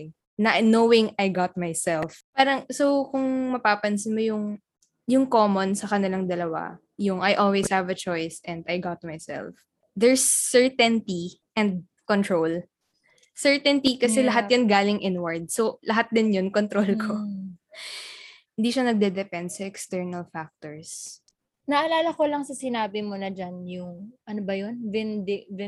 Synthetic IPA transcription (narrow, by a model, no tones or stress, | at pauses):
nɐnowɪ̃ŋajɡat̪̚majsɛlfpaːɾɐŋsowkʊŋmɐpaːpɐnsɪnmojʊŋ | jʊŋkoːmonsɐkɐnɪlaŋd̪ɐlɐwa̰ | jʊŋʔajʔolwishavɐt͡ʃɔjsɛ̃nd̪ajɡat̪̚majsɛ̰lf | d̪ɛɹsːɛɹt̪ɛnt̪iʔɛ̃nd̪̚ | kɔnt̪ɹol | sɛɹt̪ɛnt̪ikɐsɛlɐɦat̪̚jʊnɡaːlɪŋʔɪnwɐɹd̪̚solɐɦat̪̚d̪ɪnjonkont̪ɾolko | hɪnd̪iːʃɐnɐɡ̚d̪ɛd̪ɛpɛnd̪sɐɛkst̪ɛɹnɐlfak̚t̪oɹs | nɐʔɐlaːlɐkolɐŋsɐsɪnaːbɪmonɐd͡ʒanjʊŋʔɐnobɐjonvɛnd̪ɪvɪ